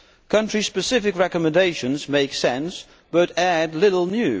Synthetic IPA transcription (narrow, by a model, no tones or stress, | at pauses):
kʰʌ̃nt͡ʃɹ̥i̥spɨsɪfɨkɹɛkəmɨ̃ndeɪʃɨ̃nzmeɪksɛ̃ns | b̥ʌɾædˡlɪɾl̩ˠnjʉ